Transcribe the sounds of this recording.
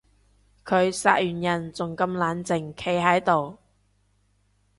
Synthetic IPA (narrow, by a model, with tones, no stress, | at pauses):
kʰɵ˨˧ɥsa̰ː˧t̚jyː˨˩njɐ˨˩nt͡sʊ˨ŋkɐ˧mlaː˨˧nt͡sɪ˨˩ŋkʰe˨˧jɦɐ˨˥jt̪o˨w